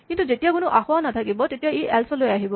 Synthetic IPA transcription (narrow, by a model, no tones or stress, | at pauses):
kintuzetijakʊnʊʔaxʊwanatʰakibɔtetijaeʔɛlsɔlojaɦibɔ